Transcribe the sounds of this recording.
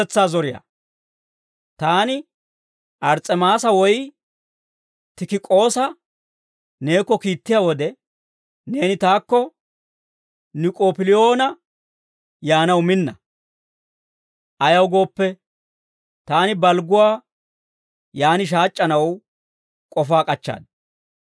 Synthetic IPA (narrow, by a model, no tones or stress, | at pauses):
ɛt͡sːaːzɔɾɪja̰ | t̪aːnɪ | ʔɐɾt͡sʼɛmaːsɐwɔj | t̪ɪkɪkʼo̞ːsɐ | ne̞ːkːɔkiːt̪ːɪjawɔd̪ɛ | ne̞ːnɪt̪aːkːɔ | nɪkʼoːpɪlɪjo̞ːnɐ | jaːnɐwmɪnːɐ | ʔɐjɐwɡo̞ːpːɛ | t̪aːnɪbɐlɡʊwaː | jaːnɪʃ̬aːt͡ʃʼːɐnɐw | kʼɔfaːkʼɐt͡ʃːa̰ːd̪